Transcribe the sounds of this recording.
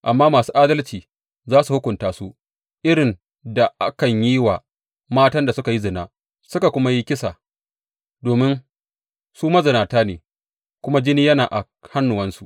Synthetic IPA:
ʔa˨mːaː˦maː˨suː˦ʔaː˦dɐ˦lt͡ʃiː˨ | zaː˦su˨hʊ˦kʷʊ˨ntaː˨˦su˦ | ʔɪ˦ɽɪ˨n | da˨ʔa̰˦kɐ˨ɲjiː˦wa˨ | maː˦tɐ˦nda˨sʊ˦ka˨ji˦zɪ˨naː˦ | sʊ˦ka˨kʷʊ˦ma˦ji˦kʲɪ˦sa̰ː˨ | doː˨mɪ˦n | suː˦mɐ˦zɐ˨naː˨taː˦nḛː˨ | kʷʊ˦ma˦d͡ʒɪ˦niː˦jɐ˦naː˨ʔa̰˨ | ha˦nːʊ˨wɐ˦nsu˨ʔ

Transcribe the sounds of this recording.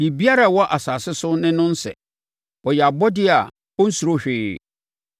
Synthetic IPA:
hi˨bi˦a˦ɾa˦˨wɔ˦ʔa˨sa˨sɪ˦sʊ˦nɪ̃˦nʊ̃˦n̩˦sɛ̰˨ | ɔ˨jɛ˨a˨bɔ˦dɪ˦a˨ | ɔ˦n̩˦su˨ɾo˦ɕᶣɪː˦

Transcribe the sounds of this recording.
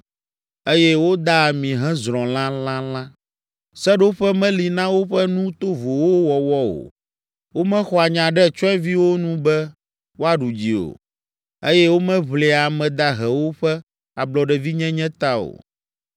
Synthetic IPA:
e˦jɛ˦wo˦d̪a˦˨mĩ˨ɦɛ̃˦zɾ̃ɔ̃˨l̃ã˦lã˦lã˦ | sɛ˦ɖo˦ɸɛ˦mɛ̃˦li˨nã˦wo˦ɸɛ˦nũ˦t̪o˦vo˨wo˦wɔ˨wɔ˦o̰˨ | wo˦mɛ̃˦xɔ˨a˨ɲã˨ɖɛ˦˨t͡ʃɔ˦ɛ˦vi˦wo˦nũ˦bɛ˦ | wo˦a˨ɖu˨d͡ʑi˨o̰˨ | e˦jɛ˦wo˦mɛ̃˦βle˨a˨mɛ̃˨d̪a˦ɦɛ˨wo˦ɸɛ˦ | a˨blɔ˨ɖɛ˨vi˦ɲɛ̃˦ɲɛ̃˦t̪a˦o̰˨

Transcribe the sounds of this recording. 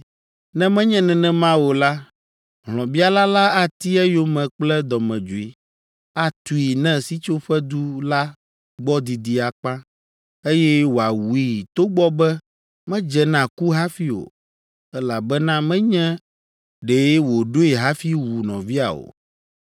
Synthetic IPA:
nɛ̃˦mɛ̃˦ɲɛ̃˦nɛ̃˨nɛ̃˦mã˦wo˨la˦ | ɦlɔ̃˨bi˦a˦la˦la˦a˦t̪i˦ɛ˦jo˦mɛ̃˨k͡plɛ˦d̪ɔ˨mɛ̃˨d͡ʒo˨i˨ | a˦t̪u˨i˨nɛ̃˦si˦t͡ʃo˦ɸɛ˦d̪u˦la˦ | ɡ͡bɔ˦d̪i˨d̪i˦a˨k͡pã˦ | e˦jɛ˦wo˨a˨wu˨i˦˨t̪o˦ɡ͡bɔ˦bɛ˦ | mɛ̃˦d͡ʒɛ˨nã˨ku˦ɦa˦fi˦o̰˨ | ɛ˦la˨bɛ˦nã˦mɛ̃˦ɲɛ̃˦ | ɖe˨˦wo˨ɖo˦i˨ɦa˦fi˦wu˨nɔ̰̃˨vi˦a̰˨o̰˨

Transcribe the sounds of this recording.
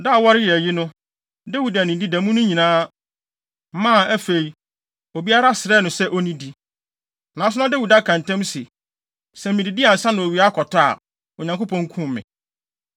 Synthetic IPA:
da˦˨wɔ˦ɾɪ˦jɛ˨ji˦nʊ̃˦ | dæ˦wi˨dæ˨nĩ˨di˦dæ̃˨mũ˦nʊ̃˦ɲĩ˨nãː˦ | m˦mã˦˨æ˦fe˨i˨ | o˨bi˦a˦ɾa˦sɪ˨ɾɛ˦˨nʊ̃˨sɛ˦ʔɔ˦nĩ˦di˦ | nã˨˦sʊ˦ã˦dæ˦wi˨da˨˦kʰã˨ntɛ̃˦msɪ˨ | sɛ˨m̩˨mĩ˨di˨dɪ˦a˨n̩˨sã˦nʊ̃˨o˨ɥi˨a˦kʰɔ˨tʰa̰˨ | ɔ˨ɲã˨ŋko˦pʰɔ̃˨ŋ˦kʰũ˦m˨mɪ̰̃˨

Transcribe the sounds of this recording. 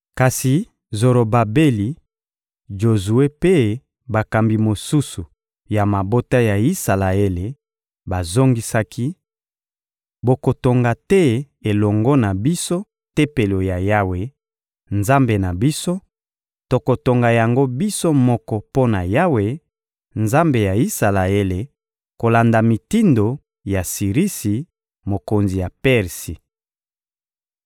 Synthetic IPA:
ka˨si˨ | zo˨ɾo˨ba˨be˦li˨ | d͡ʒo˨zu˨e˦pe˦ | ba˨ka˨mbi˨mo˨su˦su˨ | ja˨ma˨bo˦ta˦ja˨i˦sa˨la˨e˦le˨ | ba˨zo˦ŋɡi˦sa˦ki˦ | bo˨ko˨to˨ŋɡa˨tɛ˦ | e˨lɔ˨ŋɡɔ˦na˨bi˦so˦ | te˦pe˨lo˨ja˨ja˦we˨ | nza˦mbe˨na˨bi˦so˦ | to˨ko˨to˨ŋɡa˨ja˨ŋɡo˦bi˦so˦mɔ˦kɔ˦po˦na˨ja˦we˨ | nza˦mbe˨ja˨i˦sa˨la˨e˦le˨ | ko˨la˨nda˨mi˨ti˦ndo˨ | ja˨si˨ʁi˦si˨ | mo˨ko˨nzi˨ja˨pɛ˦ʁsi˨

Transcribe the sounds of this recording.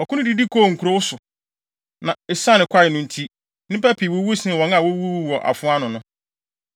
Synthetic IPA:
ɔ˨kʰʊ̃˦nʊ̃˦di˦di˦kʰoː˦˨ŋ̩˨kʰu˨ɾo˦wʊ˦sʊ˨ | nã˨ɪ˨sã˦nɪ̃˨kʷʰa˦ɪ˨nʊ̃˦˨n̩˨tʰi˦ | nɪ̃˦pæ˦pʰi˨wo˦wu˦sɪ̃˦˨wɔ̃˨˦n˦ã˨wo˦wu˦wɔ˨ʔa̰˨fʊ̃˦a˦nʊ̃˨nʊ̃˦

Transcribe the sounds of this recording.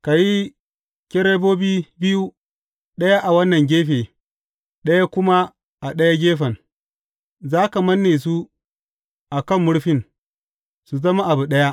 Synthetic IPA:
ka˨ji˦ | kʲɛ˦ɾe˦boː˦biː˦bɪ˦ju˦ | ɗɐ˦ja˦ʔa˨wɐ˦nːɐ˨ŋɡʲeː˦ɸeː˨ | ɗɐ˦ja˦kʷʊ˦ma˦ | ʔa˨ɗɐ˦ja˦ɡʲeː˦ɸɐ˨n | zaː˦ka˨mɐ˦nːeː˨s̬u˦ | ʔa˨kɐ˦˨mːʊ˦ɽɸɪ˦˨n | su˨zɐ˦ma˦ʔa˨bu˨ɗɐ˦ja˦

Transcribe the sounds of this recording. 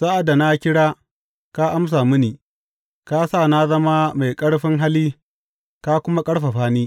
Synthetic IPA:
sa˦ʔa˨da˨na˦kʲɪ˦ɽaː˦ | ka˦ʔa˦ms̬aː˨mʊ˦niː˨ | ka˦saː˦˨na˦zɐ˦ma˦ma˨jkʼɐ˦ɽɸɪ˦ŋɦa˦liː˦ | ka˦kʷʊ˦ma˦kʼɐ˦ɽɸa˨ɸaː˦niː˦

